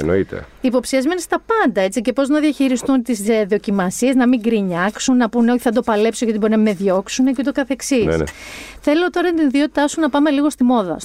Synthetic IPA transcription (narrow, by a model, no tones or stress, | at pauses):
eno̞̰it̪e̞̰ | ipo̞psiɐzmenist̪ɐpɐnd̪ɐe̞t͡sice̞po̞znɐðjɐçiɾist̪unt̪isðo̞cimɐsie̞znɐmiŋɡɾiɲɐksunːɐpuneo̞çiθɐd̪opɐle̞psoɣɐt̪ibo̞inɐme̞ðjo̞ksunecut̪okɐθe̞ksḭθe̞lo̞t̪o̞ɾɐnt̪iniðio̞t̪i̥t̪ɐsunɐpɐme̞liɣo̞st̪imo̞ðɐ̰